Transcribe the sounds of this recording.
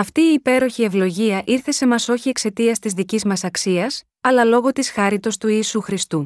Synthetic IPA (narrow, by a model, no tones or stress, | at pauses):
ɐft̪iːpe̞ɾo̞çie̞vlo̞ʝiɐʔiɾθe̞se̞mɐso̞çie̞kse̞t̪iɐst̪izðicizmɐsɐksiɐs | ɐlɐlo̞ɣo̞t̪isxɐɾit̪o̞st̪uiːsuxɾist̪u